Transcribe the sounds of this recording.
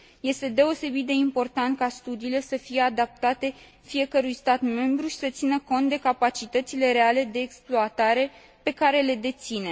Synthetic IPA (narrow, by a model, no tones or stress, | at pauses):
je̞st̪e̞d̪e̞o̞se̞bit̪̚d̪e̞impo̞rt̪ant̪̚kast̪ud̪iːle̞səfije̞ad̪ap̚t̪at̪e̞ | fije̞kəɾujst̪at̪me̞mbɾuʃi̥sət̪sinəko̞nt̪̚d̪e̞kapat͡ʃit̪ət̪sile̞ɾe̞ale̞d̪e̞ːksploat̪aɾe̞ | pe̞kaɾe̞le̞d̪e̞t̪sine̞